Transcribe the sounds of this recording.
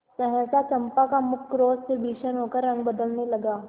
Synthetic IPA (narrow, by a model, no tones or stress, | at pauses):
səɦɛ̃t͡sat͡ʃəmpakamʊkːɾoːstebʱiːʃənɦokəɾːə̃ŋɡbəd̪əlneləɡa